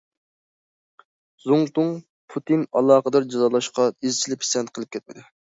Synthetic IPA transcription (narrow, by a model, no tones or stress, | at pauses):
zuŋt̪ʊŋ | pʰut̪inɑ̰lˠɑːqəd̪ɑɾd͡ʒɑzɑlˠɑʃqɑizt͡ʃʰilɪpʰi̥sɛnt̪qʰəlˠɨp̚kʲʰɛt̪̚mɪd̪ɪ